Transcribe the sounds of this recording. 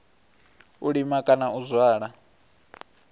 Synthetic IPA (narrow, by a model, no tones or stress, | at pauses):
uɺimakʼanauzwaːɺa